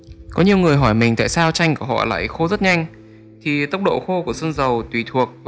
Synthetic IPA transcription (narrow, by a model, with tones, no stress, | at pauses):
kɔ˨˦ɲi˨˩əwŋɨ˨˩əjɦɔ˧˩jmï˨˩ŋ̟t̪a̰ː˧˨jsaː˧wt͡ɕa˧jŋ̟ku˧˩əɦɔ̰˧˨la̰ː˧˨jxo˧zə˦˥t̚ɲa˧jŋ̟ | t̪ʰi˨˩t̪ə˦˥wk͡p̚ɗo̰˧˨xo˧ku˧˩əsə˧nzə˨˩wt̪wi˧˩t̪ʰu˨˩ək̚v